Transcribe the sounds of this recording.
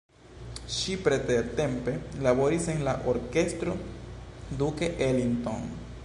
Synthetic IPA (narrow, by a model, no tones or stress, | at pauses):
ʃipɾet̪eɾte̞mpe̞labo̞ɾise̞nlaʔo̞ɾke̞stɾo̞ | dukeʔelinto̞̰n